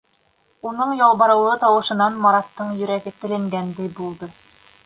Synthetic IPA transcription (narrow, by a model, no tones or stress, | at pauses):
unɤɴjɑlˠβɑɾɤ̆wlˠɤt̪ɑwɤ̆ʃɤ̆nɑnmɑɾɑt̪ːɤɴjɵ̆ɾæɡɘt̪ɘ̆lɘ̆ŋɡænd̪æjbulˠd̪ɤ